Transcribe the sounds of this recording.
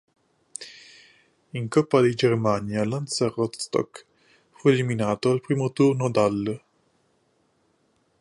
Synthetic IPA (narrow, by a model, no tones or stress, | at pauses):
iŋkɔpːad̪id͡ʒermanjalansarɔt̪st̪ɔ̰k | fueliminaːt̪oalpɾiːmot̪urnod̪alː